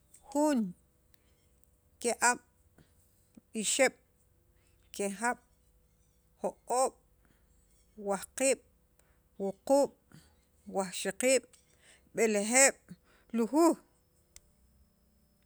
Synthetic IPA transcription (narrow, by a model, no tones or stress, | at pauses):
xun | keʔaɓ̥ | ɓiʃeɓ̥ | kexaɓ̥ | hoqʼoːɓ̥ | wahqiːɓ̥ | wuquːɓ̥ | wahʃiqiːɓ̥ | ɓelexeːɓ̥ | luxuːh